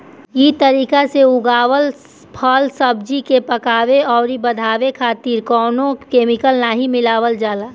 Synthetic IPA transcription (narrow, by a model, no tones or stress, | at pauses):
jit̪əɾiːkaseʊɡaːʋəl | pʰəlsəbd͡ʒikepɐkaːʋeɔːɾibɐd̪ʱaːʋekʰaːt̪iːɾkɔːnõkeːmɪkəlnaːɦimɪlaːʋəld͡ʒaːlaː